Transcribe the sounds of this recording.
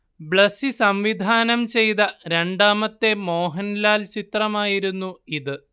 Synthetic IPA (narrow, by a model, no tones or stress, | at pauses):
bɭɐsisɐmʋid̪ʱaːnɐmt͡ɕe̞jt̪ɐɾe̞ɳɖaːmɐt̪ːe̞mo̞ːɦɐnlaːlt͡ɕit̪rɐmaːjiɾunːuiðɨ